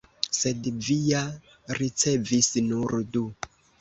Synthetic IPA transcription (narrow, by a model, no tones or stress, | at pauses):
se̞dvija | ɾit͡se̞visnuɾdu